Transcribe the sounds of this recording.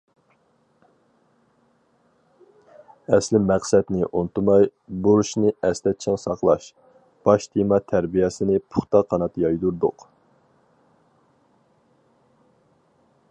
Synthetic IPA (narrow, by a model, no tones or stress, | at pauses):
ɛslɪmæqsɛt̪nɪʔont̪umɑjboɾuʃnɨɛst̪ɛt̪̚t͡ʃʰɪŋsɑqlˠɑʃ | b̥ɑʃt̪ʰimɑt̪ʰæɾbijɛsɪnɪpʰʊ̥χt̪ɑqʰːɑnɑt̪jɑjd̪uɾd̪ʊ̰q